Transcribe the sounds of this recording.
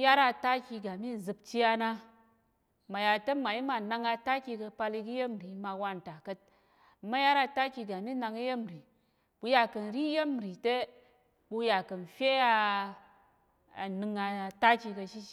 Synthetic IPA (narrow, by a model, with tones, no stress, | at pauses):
ja˦ɾa˧ta˦kʲi˧ɡa˨mi˦˨zɨ˧p̚t͡ʃi˦a˧na˦ | ma˨ja˨te˦ma˨i˦ma˧˨na˧ŋa˧ta˦kʲi˧kə˧pa˧li˧ki˦je˦m˨ɾi˨˦ma˧wa˧n˨ta˨kɐ˧t̚ | ma˦ja˦ɾa˧ta˦kʲi˧ɡa˨mi˦na˧ŋi˦je˦m˨ɾi˨ | bu˧ja˨kɐ˨n˨ɾi˦je˦m˨ɾi˨te˦ | bu˧ja˨kɐ˨n˨fʲe˦a˧ | a˨nɨ˧ŋa˧ta˦kʲi˧kɐ˧ʃi˦